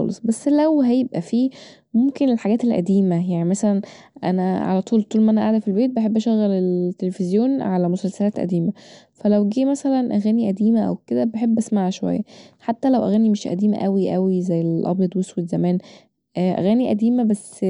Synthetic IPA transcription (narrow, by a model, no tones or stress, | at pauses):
ɑ̰lḛsˤbæsːlæwɦæjebʔæfiː | momkenelħaɡæːt̪elʔæ̰d̪iːmæjaʕnimæsælænʔæ̰næʕa̰læt̪ˤuːlt̪ˤuːlmæʔænæʔaʕd̪æfilbeːt̪̚beħebːʔæʃæɣːælelt̪ːelefezjoːnʕalæmosælsælæːt̪ʔæ̰d̪iːmæ | fælæwɡiːmæsælænʔæɣæːniʔæd̪iːmæʔæ̰wked̪æbeħebːʔæsmaʕʃowæ̰jːæħat̪ːælæwʔæ̰ɣæːnimeʃʔæ̰d̪iːmæ̰ʔæwiʔæwizæjːellʔɑ̰bjɑd̪ˤweswed̪zæmæːn | ʔʔæ̰ɣæːniʔæd̪iːmæbæsː